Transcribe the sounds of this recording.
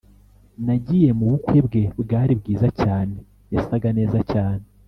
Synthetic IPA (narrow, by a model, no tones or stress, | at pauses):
naɟije̞muβukwe̞bɡe̞bɡaːɾibɡiːzacaːne̞ | jasaɡane̞ːzacaːne